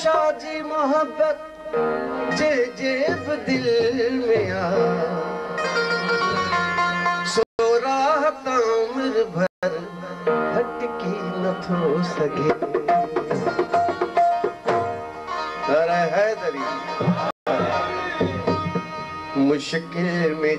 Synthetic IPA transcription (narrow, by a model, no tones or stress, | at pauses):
ʃaːd͡ʑiːmʊɦəbːət̪̚ | d͡ʑeɦd͡ʑebɪd̪ɪlmẽaː | sooɾaːɦt̪ãmɪɾbʱɐɾ | ɦɐʈɪkinɐt̪ʰoːsɐɡʱe | ɡɐɾɛɦɛːd̪ɐɾiː | mʊʃkɪlmẽ